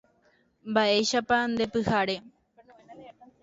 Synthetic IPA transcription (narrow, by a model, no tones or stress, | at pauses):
mbaʔe̞ʃapand̪e̞pɨhaɾe̞